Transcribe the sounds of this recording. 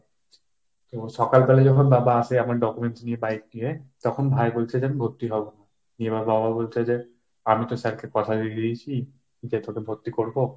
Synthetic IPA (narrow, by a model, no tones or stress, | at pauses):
t̪osɔkalpɛlɛzɔkʰɔnbabaːsɛamaɹɖɔkumensniɛbajk̚nijɛt̪ɔkʰɔnbʱajbolt͡ʃʰɛzɛnbʱot̪ːiɦɔbɔna | niɛbabababolt͡ʃʰɛzɛ | amit̪ɔsɛkʰɛkɔt̪ʰadiit͡ɕʰi | d͡ʑɛt̪ɔkɛbʱot̪ːikoɹbo